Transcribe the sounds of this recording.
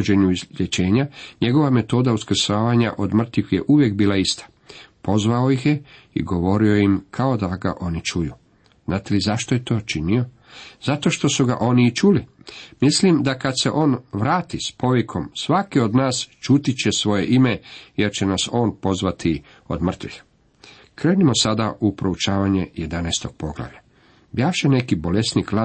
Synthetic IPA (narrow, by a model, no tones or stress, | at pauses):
d͡ʑe̞ɲuizʎjet͡ɕe̞ːɲaɲe̞ɡo̞ʋame̞t̪o̞ːd̪auskr̩saːʋaɲa̰ʔo̞d̪mr̩t̪ʋixje̞ʔuʋjekbiːlaist̪ḁ | po̞zʋao̞jixje | ḭɡo̞ʋo̞ɾio̞jimkʰao̞d̪aɡa̰ʔo̞nit͡ʃujuː | z̥naːt̪e̞lizaʃt̪ojet̪o̞ːt͡ʃinio̞ | z̥at̪o̞ʃt̪o̞suɡa̰ʔo̞niːt͡ʃulimislimd̪akad̪se̞ʔo̞ːnʋɾaːt̪ispo̞ʋikʰo̞msʋakio̞d̪naːst͡ʃuːt̪it͡ɕe̞sʋo̞je̞ʔimeje̞ɾt͡ɕenaso̞ːnpo̞zʋat̪ʰi | o̰d̪mr̩t̪ʋix | kɾe̞ːnimo̞sad̪aʔupɾo̞ut͡ʃaːʋaɲe̞jed̪anɛːst̪o̞ɡ̚po̞ɡla̰ʋʎa | bjaːfʃene̞kibo̞lesnikla